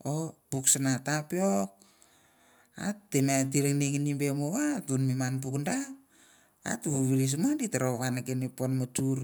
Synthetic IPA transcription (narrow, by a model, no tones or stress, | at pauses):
opuksanatapiok̚ | a̰tːenat̬iɾeŋniŋinimbemoβatunmimanp̬ukndap̚ | a̰tβuβiɾis̬manditaɾoβanakeneponmotuɾ